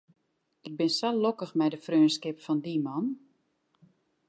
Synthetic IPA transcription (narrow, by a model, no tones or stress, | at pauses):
ɪk̚bɪnsɔlokəxmɛjdəfrøːnskɪpfɔndimɔn